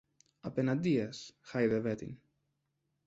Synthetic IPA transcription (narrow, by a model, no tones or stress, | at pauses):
ɐpenɐnd̪iɐsxajðevet̪ḭn